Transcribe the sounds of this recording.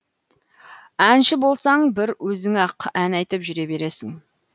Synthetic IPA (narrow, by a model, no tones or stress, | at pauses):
ænʃɪbo̞lˠsɑɴbɪɾwɵzɪŋɑqænɑjt̪əpʒʏɾe̞be̞ɾe̞sɪŋ